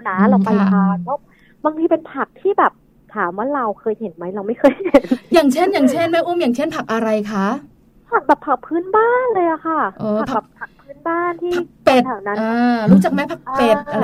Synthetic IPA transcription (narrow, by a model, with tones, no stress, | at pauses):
naː˨˦ɾa˧˩wkpa˧ja˦˥˩aː˧˩pʰɛ˦˥w | baː˧ŋt̪ʰiː˧pe˧npʰa˨˩k̚t̪ʰiː˥˩bɛː˨˩p̚ | t̪ʰaː˩˦mwa˥˩ɾa˧wkʰɤː˧jhe˩˦nma˦˥jɾa˧wma˥˩jkʰɤː˧jhe˨˩˦njaː˨˩ŋt͡ɕʰe˥˩njaː˨˩ŋt͡ɕʰe˥˩nma˦˥˩ʔuː˥˩˨mjaː˨˩ŋt͡ɕʰe˥˩npʰa˨˩k̚ʔa˧ɾa˧jkʰa˦˥ʔ | pʰa˨˩k̚bɛː˨˩pʰa˨˩k̚pʰɯː˦˥˨nbaː˥˩nlɤː˧jʔa˨˩kʰa˥˩ʔɤː˧˩˨pʰa˨bɛː˨˩pʰa˨˩k̚pʰɯː˦˥˩nbaː˥˩nt̪ʰiː˥pʰa˨˩˨k̚pe˨˩t̪ʰaː˨˩na˦ʔaː˧ɾuː˦˥t͡ɕa˨˩k̚ma˦˥jpʰa˨˩k̚pe˨˩ʔa˧